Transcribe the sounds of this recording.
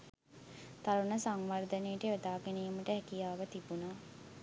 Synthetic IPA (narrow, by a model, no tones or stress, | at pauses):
t̪aɾunəsaŋʋard̪ənejʈeʋed̪aːɡenejəməʈəɦɛkijaːʋət̪ibunaː